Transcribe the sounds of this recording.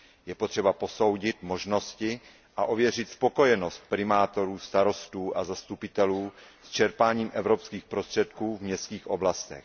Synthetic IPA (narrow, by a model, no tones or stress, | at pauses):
jɛpot̪r̝̥ɛbapo̞so̞wɟɪt̪mo̞ʒno̞scɪ | ʔaʔo̞vjɛr̝ɪt̪spo̞ko̞jɛno̞st̪̚pɾɪmaːt̪o̞ɾuːst̪aɾo̞st̪uːʔazast̪upɪt̪ɛluːst͡ʃɛɾpaːɲiːmʔɛvɾo̞pskiːxpɾo̞st̪r̝̥ɛt̪kuːvmɲɛst̪kiːxʔo̞blast̪ɛ̰x